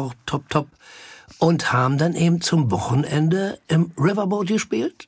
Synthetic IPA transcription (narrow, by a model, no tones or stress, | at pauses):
tʰɔp̚tʰɔp̚ | ʔʊnthaːbm̩danʔeːbm̩t͡sʊmvɔχn̩ʔɛndəʔɪmʁɪvɐboːtɡ̥əʃpiːlt